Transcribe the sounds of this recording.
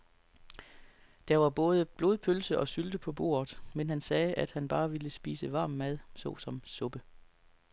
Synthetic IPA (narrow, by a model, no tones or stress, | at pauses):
d̥ɑʋɑ̈b̥ɔ̽ːð̞ˠəb̥lo̝ðˠpʰølsəʔɒ̽syld̥əpʰɒ̽b̥o̝̰ːɐð̩ˠmenɦænsɛːʔæd̥hænb̥ɑ̈ːʋiləsb̥iːsəʋɑ̈ːmːæð̞ˠsɒ̽sɒ̽msɔ̽b̥ə